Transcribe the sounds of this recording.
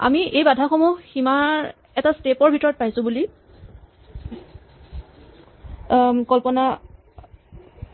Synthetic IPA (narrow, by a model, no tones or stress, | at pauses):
a̰miʔejbadʱaxɔmuxima | ɛtastepɔɹbʱitɔɹɔt̚paɦjsʊ̃buli | kɔlpɔna